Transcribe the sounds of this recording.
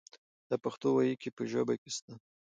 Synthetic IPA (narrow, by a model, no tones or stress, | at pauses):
d̪̥əpaxt̪owajikʲepəʒabakʲest̪a